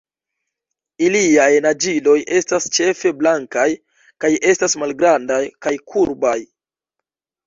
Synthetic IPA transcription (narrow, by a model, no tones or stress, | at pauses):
iliajnad͡ʒilo̞jʔe̞stast͡ʃe̞fe̞blaŋkaj | kaje̞stasmalɡɾandajkajkʰuɾbaj